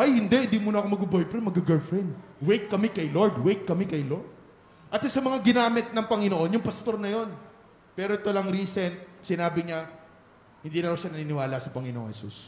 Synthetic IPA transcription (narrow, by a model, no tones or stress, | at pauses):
ʔajhɪnd̪ɛʔɪnd̪iːmuːnɐkomɐɡ̚bubojpɾɛmɐɡɐɡɐlfɹɛnd̪ | wejk̪̚kːɐmɛkɐjloɹd̪wejt̪̚kɐmɛkɐjlo̞ɹd̪̚ | ʔɐt̪sasɐmɐŋaɡɪnaːmɪt̪̚nɐŋpɐŋɪnoʔo̞njʊŋpɐst̪o̞ɾnɐjo̞n | pɛːɾoʔɪt̪olɐŋɾiːsɛnt̪̚sɪnaːbɪɲɐ | hɪnd̪iːnɐɾoʃanɐniːnɪwaːlɐsɐpɐŋɪnoʔoŋhɛsṵs